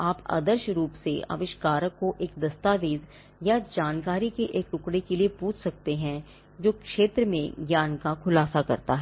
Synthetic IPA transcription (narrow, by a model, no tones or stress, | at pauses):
aːpa̰ːd̪əɾʃɾuːpsḛa̰ʋɪʃkaːɾəkːoʔeːk̚d̪ɐst̪aːʋeːd̪ | jad͡ʒaːnkaːɾikeʔeːkʈʊkɽekeliepuːt͡ʃʰsɐk̚t̪eɦɛ̃ | d͡ʒoːkʃeːt̪ɾəmḛ̃ɡjaːnkakʰʊlaːsakɐɾt̪a̰ɦɛː